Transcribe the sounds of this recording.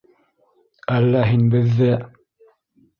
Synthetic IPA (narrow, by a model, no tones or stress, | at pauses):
ælːæɦinbɘ̆ðːɘ